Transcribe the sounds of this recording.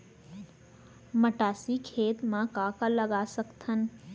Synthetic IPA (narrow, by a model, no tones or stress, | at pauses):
məʈaːsikʰeːt̪mãkaːkaləɡaːsəkt̪ən